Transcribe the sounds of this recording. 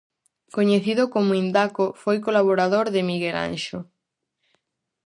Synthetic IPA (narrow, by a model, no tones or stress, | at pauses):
koɲeθiðʊkomʊind̪akofojkolaβ̞oɾaðoɾðɪmiɣela̰nʃo